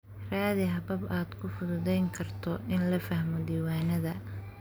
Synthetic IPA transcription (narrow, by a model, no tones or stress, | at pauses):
raːðɪɦɐbɐbaːd̪kʰʊfʊðʊðɛjŋkʰɐrt̪ʰɔʔɪnlɐfɐhmɔd̪iːwaːnɐðɐ